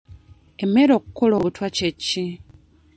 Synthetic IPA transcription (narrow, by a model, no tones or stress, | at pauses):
emːe̞ɾo̞kukoloːβutwacecːi